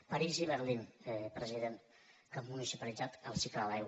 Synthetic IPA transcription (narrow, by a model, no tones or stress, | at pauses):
pəɾiziβəɾlinpɾəziðen | kəmmunisipəlidd͡zat̪əlˠsikləlaj